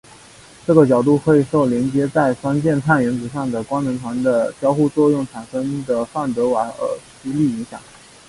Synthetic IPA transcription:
ʈ͡ʂɤ˥˩ɡə˩t͡ɕjɑ˨˩ʊt̪u˥˩kxe˥˩i˨˩ʂo˥˩ʊljɛ˧˥nt͡ɕjɛ˥t͡sa˥˩ɪʂwa˥nt͡ɕjɛ˥˧nt̪ʰa˥˩nɥɛ˧˥nt͡sɹ̩˨˩ʂ̬ɑ˥˩ŋd̪ə˩kwa˥ŋnɤ˧˥ŋt̪ʰwa˧˥nd̪ə˧ɕjɑ˥ʊxu˥˧t͡swɔ˥˧jʊ˥˩ŋʈ͡ʂʰa˨˩nʂɤ˥ŋd̪ə˨fa˥˩nt̪ɤ˧˥wa˨˩ə̰˧˥ɕi˧˥li˥˩i˧˥ŋɕjɑ̰˨˩˦ŋ

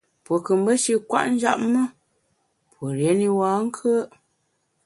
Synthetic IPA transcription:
pwo˨kə˨m̩˦bə˦ʃi˦kwa̰˦ʔn̩˦d͡ʒa̰˦ʔmə˦ | pwo˨ɾje˨˦ni˦waː˨˦ŋ̩˦kʰə˦ʔ

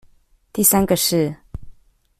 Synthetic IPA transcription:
t̪i˥˩sa˥nɡə˨ʂɻ̩˥˩

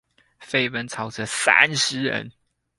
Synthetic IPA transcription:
fe˥˩ɪwə˦nt͡sʰɑ˨˩ʊʈ͡ʂə˧˦sa̰˥nʂɻ̩˨˥ɻə̰˧˦n

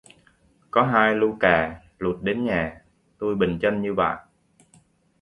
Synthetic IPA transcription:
kɔ˨˦ɦaː˧jlu˧kaː˨˩ | lu˨˩t̚ɗe˨˦nɲaː˨˩ | t̪u˧jɓï˨˩ŋ̟t͡ɕə˧nɲɨ˧ɓa̰ː˧˨j

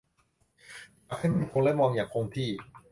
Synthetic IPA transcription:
ʔa˧˩xʰa˥˩m˧˩kʰo˧ŋla˥˩mɔː˧ŋjaː˨˩ŋkʰo˧ŋt̪ʰiː˥˩

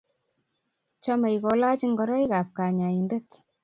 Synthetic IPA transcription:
t͡ʃa˦ma˨jkɔ˨la˦t͡ʃi˦ŋɡɔ˨ɾɔ˦jka˨p̚ka˨ɲa˨ji˨nde˦t

